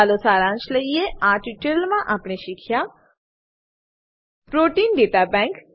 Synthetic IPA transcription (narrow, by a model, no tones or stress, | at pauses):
aːlosaːɾãːnt͡ʃləijeãːʈiʈəɾlmãʔɐpneʃɪkʰja | pɾoːʈiːnɖeːt̪abɛ̃ːŋk